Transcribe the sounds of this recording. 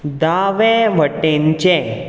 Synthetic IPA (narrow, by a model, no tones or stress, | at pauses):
d̪aʋɛʋəʈẽɲt͡ɕẽ